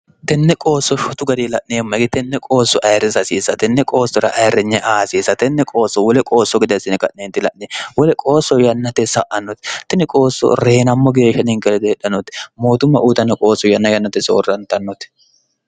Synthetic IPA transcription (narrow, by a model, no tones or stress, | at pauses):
t̪ɛnːɛkʼo̞ːsːɔʃʊt̪ʊɡɐd̪ɪlɐʔnɪjɛmːɐɡɪt̪ɛnːɛkʼo̞ːsːɔʔɐjɾɪsɐsiːsɐt̪ɛnːɛkʼo̞ːsːɔɾɐ̰ʔɐjɾːɪɲːɛʔaːsiːsɐt̪ɛnːɛkʼo̞ːsːɔwɔlɛkʼo̞ːsːɔɡɪd̪ɐsɪnɪkʼɐʔneːnt̪ːɪlɐ̰ʔnɪwɔlɛkʼo̞ːsːɔjɐnːɐt̪ːɛsɐʔɐnːɔt̪t̪ːɪnɪkʼo̞ːsːɔ̰ɾeːnɐmːɔɡeːʃːɐnɪŋkɛlɛd̪ɪhɛᶑɐnɔt̪ːmoːt̪ʊmːɐʔuːt̪ɐnːɛkʼo̞ːsːɔjɐnːɐjɐnːɐt̪ːɛsɔɔrɐnt̪ɐnːɔt̪ː